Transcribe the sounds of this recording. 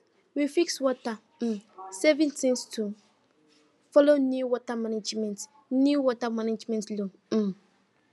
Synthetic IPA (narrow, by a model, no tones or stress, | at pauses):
wifikswɔta | sɛvĩntĩnstʰu | fɔlonjuwɔtamanad͡ʒmɛ̃nt | njuwɔtamanad͡ʒmɛ̃ntlo